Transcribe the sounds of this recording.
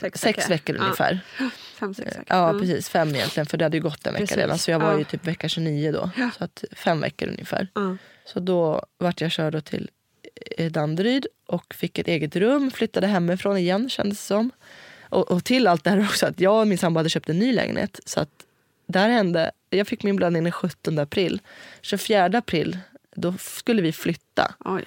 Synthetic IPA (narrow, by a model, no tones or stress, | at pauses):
sɛksvɛkːəɾʔɵ̰nɪfæ̰ːɾ | ʔɑːpʰɾɛsiːsfɛmːɪjɛ̰nt̪lɪɡənfœɖɛhad̪ːəjɵɡɔt̪ːɛ̰nvɛ̰kːaɾḛːd̪a̰nsɔjɑːɡvaɾjɵt̪ʰyːpvɛkːaɕɵniːʊd̪ɔ̰sɔat̪fɛmvɛ̰kːəɾɵ̰njəfæ̰ːɾ | sɔd̪ɔvaʈːjɑːɕœːɖɔt̪ʰɪ̰l | d̪and̪ɾyːd̪ʔɔkfɪkːɛt̪eːɡət̪ɾɵmːflʏt̪ːad̪əɦɛmːɪfɾoːnɪjɛnːɕɛ̰nd̪əssɔmʔɔʔɔt̪ʰɪlalt̪̚d̪ɛhæːɾɔksɔat̪jɑːɡmɪnsambahad̪əɕøːp̚t̪ɛnːyːlɛ̰ːɡnhḛːt̪sɔa̰t̪ | d̪ɛhæːɾhɛnd̪ə̰ | jɑːɡfɪkːmɪnblad̪ɪŋnd̪ɛnɧɵt̪ːɔnd̪əapʰɾilːsɔfjæːɖəapʰɾɪːlːd̪ɔskɵlːəvɪflʏt̪ːa̰